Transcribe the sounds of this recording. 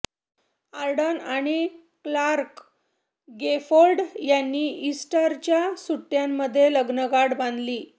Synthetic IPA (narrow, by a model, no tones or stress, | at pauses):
aɾɖənaɽ̃i | klaɾk | ɡefolɖjanːiːisʈəɾt͡ɕjasuʈːjamːəd̪ʱːjeləɡnəɡaɽband̪liː